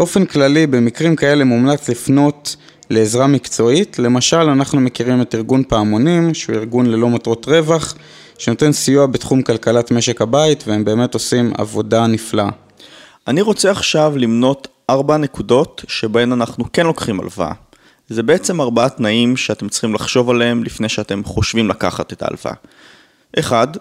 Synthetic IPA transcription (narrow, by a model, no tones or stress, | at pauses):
bo̞fe̞nklalibe̞mikʁimkae̞le̞mumlat͡slifno̞t | le̞ːzʁamikt͡so̞itle̞maʃalanaχnume̞kiʁime̞tiʁɡunpaːmo̞nimʃeuiʁɡunle̞lo̞matʁo̞tʁe̞vaχ | ʃe̞no̞te̞nsijuabetχumkalkalatme̞ʃekhabaitveembe̞ːme̞to̞sima̰vo̞danifla | ʔaniʁo̞t͡se̞aχʃavlimno̞t | ʔaʁbane̞kudo̞tʃe̞bae̞nanaχnuke̞nlo̞kχima̰lva̰ | ze̞be̞et͡se̞maʁbaatnaimʃeatemt͡sχimlaχʃo̞valeemlifne̞jʃeate̞mχo̞ʃvimlaka̰χa̰tet̪a̰ːlva̰ | ʔe̞χad